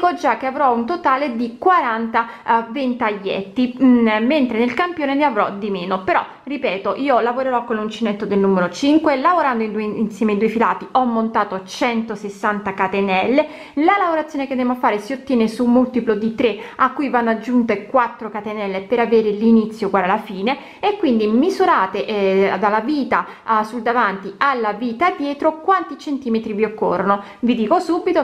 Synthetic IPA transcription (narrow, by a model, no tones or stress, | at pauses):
d̪ikod͡ʒakːeavɾɔunt̪ot̪aːled̪ikwaɾant̪a | vent̪aʎːɛ̰t̪ːiment̪ɾenelkampjoːneneavɾɔ̰d̪imeːnopeɾɔ̰ | ripɛːt̪oʔiːolavoɾeɾɔkːonlunt͡ʃinet̪ːod̪elnumeɾot͡ʃiŋkwelavoɾand̪oind̪uinsjɛːmeind̪uefilaːt̪iʔɔmːont̪aːt̪ot͡ʃɛnt̪osesːant̪akat̪enɛlːe | lalavoɾat̪sjoːneked̪ɛmoafaːɾesiot̪ːjɛːnesumːult̪iplod̪it̪ɾeakːujvanːoad͡ʒːunt̪ekwat̪ːɾokat̪enɛlːepeɾaveːɾelinit̪sːjoɡwaːɾalafiːne | ekːwind̪imizuɾaːt̪eʔd̪alːaviːt̪a | suld̪avant̪ialːaviːt̪ad̪ːjɛːt̪ɾokwant̪it͡ʃent̪iːmet̪ɾiviokːo̰rːono | vid̪iːkosubit̪o